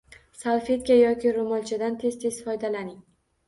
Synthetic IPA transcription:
salˠfe̞t̪̚kʲajɒkʲɪɾomɒlˠt͡ʃʰad̪ant̪ʰe̞z̥t̪ʰe̞z̥fɒjd̪alanɪŋ

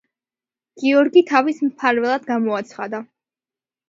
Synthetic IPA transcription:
ɡ̥iɔɾɡit̪ʰavismpʰaɾvɛlˠad̪ɡamɔat̪sʰχad̪a

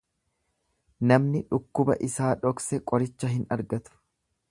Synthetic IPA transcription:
nɐmnɪᶑʊkːʊbɐ̰ʔɪsaːᶑɔksɛkʼɔɾɪt͡ʃːɐɦɪnɐɾɡɐt̪ʊ̥

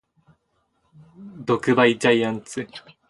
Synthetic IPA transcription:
d̪o̞kɯ̟baid͡ʑaiãnt͡sɨ

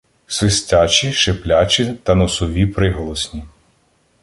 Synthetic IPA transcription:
sʋɪsʲtʲat͡ʃʲiʃeplʲat͡ʃʲit̪ɐnɔsɔʋʲipɾɪɦɔlˠɔsʲnʲi

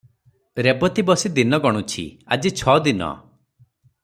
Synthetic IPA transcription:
ɾebɔt̪ibɔsid̪inɔɡɔɽ̃ut͡ʃʰḭad͡ʒit͡ʃʰɔd̪inɔ̰

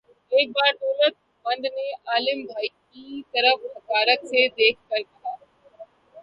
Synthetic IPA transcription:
eːk̚baːɾɖoːlət̪̚ | bɐ̃nd̪neʔaːlɪmbʱaːikit̪ɐɾəfmɐkaːɾət̪sed̪eːkʰkɐɾkɐjaː

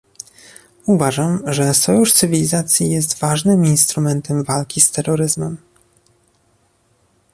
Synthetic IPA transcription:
uvaʐamʐɛsɔjuʂt̪sɘvʲilʲizat̪sʲjijɛst̪vaʐnɘminst̪ɾumɛnt̪ɛmvalkʲist̪ɛɾːɔɾɘzmɛm

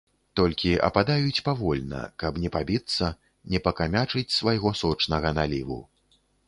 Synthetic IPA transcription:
t̪ɔlʲkʲiʔɐ̰pad̪ajut͡sʲpavɔlʲnɐ̰kɐpnʲɛpabʲit̪sːɐ | nʲɛpɐkamʲat͡ʂɨt͡sʲsvajɣɔsɔt͡ʂnɐɣɐnalʲivṵ

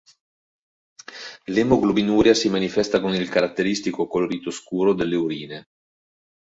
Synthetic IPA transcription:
lemoɡlobinuːɾjasimanifɛst̪akonilkaɾat̪ːeɾist̪ikokoloɾiːt̪oskuːɾod̪elːeuɾiːne

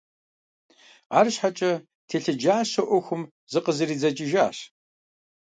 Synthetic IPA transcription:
aːrɨɕħat͡ʃʼɐ | tʰeːɬɨd͡ʒaːɕɐʔʷɔxʷʊm | zɨqəzɨɾiːd͡zɐt͡ʃʼɪʒaːɕ

